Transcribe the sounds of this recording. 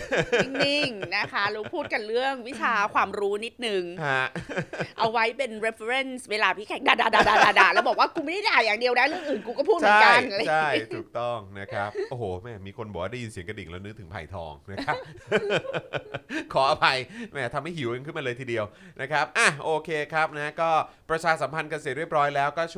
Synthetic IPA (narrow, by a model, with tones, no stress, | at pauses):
ni˧˩ŋna˦˥kʰa˦˥ɾuː˦pʰuː˥˩t̪̚ka˧nɾɯ˥˩əŋwi˦˥t͡ɕʰaː˧kʰwaː˧mɾuː˦˥ni˦˥t̪̚nɯ˨˧ŋha˦˥ʔa˧wa˦˥jpe˧nɾe˦˥fe˧ɾe˥˩nsweː˧laː˧pʰiː˥˩kʰɛ˦˩k̚daː˧daː˧daː˧˩daː˧daː˧˩daː˧lɛ˦˥wbɔː˨˩k̚waː˥˩kuː˧ma˥˩da˥˩jdaː˨˩jaː˨˩ŋdi˧əwdaː˧˩jɾɯ˥˩əŋʔɯː˨˩nkuː˧kɔ˥˩pʰuː˥˩t͡ɕʰːa˥˦˥kajn˧t͡ɕʰa˥˩jt̪ʰuː˨˩k̚t̪ɔ˥˩ŋna˦˥kʰɾa˦˥p̚ʔoː˧˩hoː˨˩mɛ˥˩miː˧kʰo˧nbɔː˨˩waː˥˩da˥˩ji˧nsi˨˩˦ka˧di˨˩ŋlɛː˦˥wnɯ˦˥t̪ʰɯ˩˦ŋpʰa̰˨˩jt̪ʰɔ̰ː˧ŋna˦˥kʰa˦˥p̚ | kʰɔː˨˩˦ʔa˧pʰa˧jmɛː˥˩t̪ʰa˧mha˥˩jhi˨˩˦wʔːnkʰɯ˥˩nma˧lɤː˧jt̪ʰiː˧di˧əwnʔa˦˥kʰa˦˥p̚ʔa˨˩ʔoː˧kʰeː˧kʰɾa˦˥p̚na˦˥kɔː˥˩pɾa˧t͡ɕʰaː˧sa˩˦mpʰa˧nka˧seː˨˩ɾi˥˩əp̚ɾɔː˦˥jlɛː˦˥wkɔː˥˩t͡ɕʰ